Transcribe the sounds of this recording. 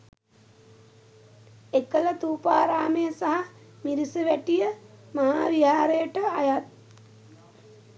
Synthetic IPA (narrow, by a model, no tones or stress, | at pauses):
ekələt̪uːpaːɾaːmejəsaɦa | miɾisəʋæʈijəmaɦaːʋiɦaːɾejəʈəajat̪̚